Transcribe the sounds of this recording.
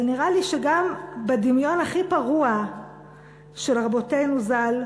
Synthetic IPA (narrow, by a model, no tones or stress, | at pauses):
lniʁaliʃeɡambed̪imjo̞naχipaʁua | ʃelʁabo̞tejnuzal